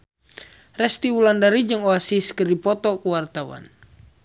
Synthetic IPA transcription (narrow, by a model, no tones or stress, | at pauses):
rɛst̪iwulandaɾid͡ʒɨŋɔasiskərdipɔt̪ɔkuwart̪awa̰n